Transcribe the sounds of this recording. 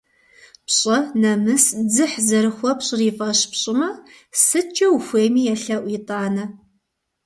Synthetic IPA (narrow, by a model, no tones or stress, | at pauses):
pɕʼɐnɐmɨsd͡zɨħzɐɾɨxʷɔpɕʼɪriːfʼɐɕpɕʼɪmɐ | sɨt͡ʃʼɐwuxʷeːmiːjɛɬɐʔʷitʼaːnɐ